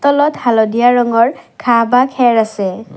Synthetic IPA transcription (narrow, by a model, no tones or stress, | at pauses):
tɔlɔthalɔdijaɹɔŋɔɹkʰabakʰɛɹasɛ